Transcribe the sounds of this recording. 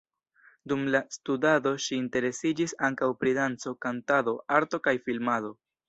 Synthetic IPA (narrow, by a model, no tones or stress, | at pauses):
dumlastudado̞ʃiːnte̞ɾe̞sid͡ʒisaŋkawpɾidant͡so̞kantado̞aɾto̞kajfilmado̞